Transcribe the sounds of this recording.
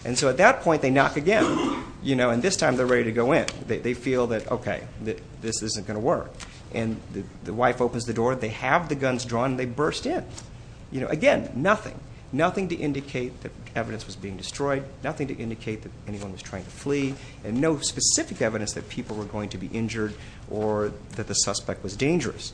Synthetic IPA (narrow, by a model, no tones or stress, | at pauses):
ʔɨ̃nsoʊət̪̚ðɨt̚pʰɔ̃ɪnðeɪnɑkɨɡɛ̃njɨnoʊɨ̃nðɪstʰãɪ̃mðə˞ɹɛɾiɾɨɡoʊɪ̃nðeɪðeɪfilˠðɨɾo̰ʊkʰeɪðɨ | ðɪsɪzɨ̃nɡ̥ʌnəwɜ˞k | ʔɨ̃nðɨðɨwaɪfoʊpn̩zðɨdɔɹnðeɪɨvðɨɡʌ̃nzdɹɔ̃ñn̩ðeɪbɜ˞stɪ̃n | jɨnoʊʔɨɡɛ̃nːʌθɪ̰̃ŋ | nʌθɪ̃ŋtɨʔɪ̃ndɨkʰeɪt̪̚ðɨɾ | ɛvɨɾɨ̃nswʌzbiɪ̃ŋdɨstɹ̥ɔɪd̚ⁿnʌθɪ̃ŋtɨ̰ʔɪ̃ndɨkʰeɪt̪̚ðɨɾɛniwʌ̃nwʌ̥ztʰɹ̥aɪɪ̃ŋtʰɨfli | ɨ̃nːoʊspɨsɪfɨkɛvɨɾɨ̃nsðɨt̚pʰipl̩ˠwə˞ɡoʊɪ̃ŋtʰɨbiʔɪ̃nd͡ʒə˞ɾ | ʔə˞ | ðɨt̪̚ðɨsʌspɛk̚t̚wʌzdẽɪ̃nd͡ʒə˞ɨ̰s